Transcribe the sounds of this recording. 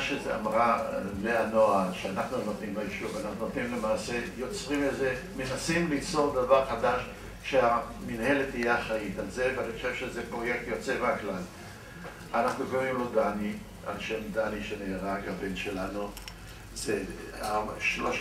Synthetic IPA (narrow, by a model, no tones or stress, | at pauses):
ʃezea̰mʁaveanoaʃeanaχnunot̪nimajeʃuvanaχnunt̪nimlemaːsejo̞t͡sʁimeze | menasimlit͡soʁd̪avaʁχad̪aʃ | ʃeaminhelet̪ijeaχait̪alzeveaniχoʃevʃezepʁo̞jek̚t̪jo̞t͡seveaklal | anaχnuɡomimlo̞d̪ani | a̰lʃemd̪aniʃeneːʁakabenʃelanu | z̥eaʃloʃ